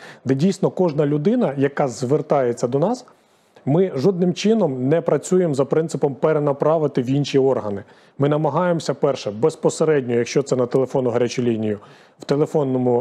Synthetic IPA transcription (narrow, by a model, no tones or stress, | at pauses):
d̪ɛdʲijsnɔkɔʒnɐlʲʊd̪ɪnɐjɐkɑzʋert̪ɑjet͡sʲːɐd̪ɔnɑs | mɪʒɔd̪nɪmt͡ʃɪnɔmnɛpɾɐt͡sʲujemzɐpɾɪnt̪ɪpɔmpeɾenɐpɾɑʋɪt̪ɪwinʃiɔrɦɐnɪ | mɪnɐmɐɦɑjemsʲɐpɛrʃɛbespɔseɾɛdʲnʲɔjɐkʃt͡ʃɔt̪sɛnɐt̪elˠefɔnʊɦɐɾʲat͡ʃʊlʲinʲijʊ | wt̪elˠefɔnːɔmʊ